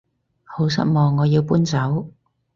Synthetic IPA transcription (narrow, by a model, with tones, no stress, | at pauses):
ho˨˥ws̬ɐ̰˥t̚mɔː˧ŋːɔː˨˧jiː˧wpuː˥nt͡sɐ˨˥w